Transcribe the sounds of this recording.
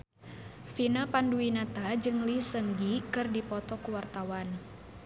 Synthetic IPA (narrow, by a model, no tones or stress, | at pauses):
finapanduinat̪ad͡ʒɨŋlisəŋɡikɨrdipɔt̪ɔkuwart̪awan